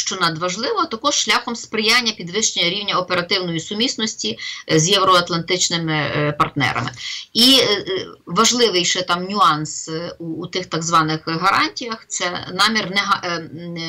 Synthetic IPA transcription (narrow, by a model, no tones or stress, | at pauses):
ʃt͡ʃɔnɐd̪ʋɐʒlˠɪʋɔt̪ɐkɔʃʃlʲaxɔmspɾɪjanʲːɐpʲid̪ʋɪʃt͡ʃenʲːɐɾʲiwnʲɐɔpeɾɐt̪ɪwnɔjisʊmʲisnɔsʲtʲizjɛwɾɔɐt̪lˠɐnt̪ɪt͡ʃnɪmɪpɐrt̪nɛ̰ɾɐ̰mɪ̰i | ʋɐʒlˠɪʋɪjʃɛt̪ɑmnʲʊɑnsuːt̪ɪxt̪ɑɡzʋɑnɪxɦɐɾʔɑnʲtʲijɐxt̪sɛnɑmʲirnɛɦɐ